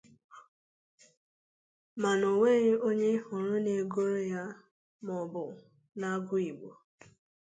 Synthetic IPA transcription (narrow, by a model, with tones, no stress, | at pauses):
ma˨no˨ŋʷe˦ɣe˦o˦ɲe˦hʊ˨ɾʊ˦ne˨ɡo˦ɾja˦ | mɔ˨bʊ˨ | na˦ɡʊ˦i˨ɡ͡bo̰˨